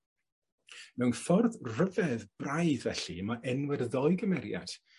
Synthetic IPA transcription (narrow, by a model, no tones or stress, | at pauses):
mɛwnfɔrðrəvɛðb̥rajðvɛɬimaʔɛnwɪrðɔɨɡəmɛɾja̰d̥